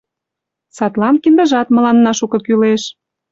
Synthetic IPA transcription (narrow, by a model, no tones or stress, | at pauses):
sɑt̪lɑnkind̪ə̆ʒɑt̪mə̆lɑnːɑʃukɤ̆kyleʃ